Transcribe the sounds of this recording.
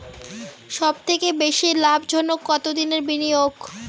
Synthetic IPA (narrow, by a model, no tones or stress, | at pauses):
ʃɔbt̪ʰekebeʃilabd͡ʑʱonːokɔt̪od̪ineɾbinijoɡ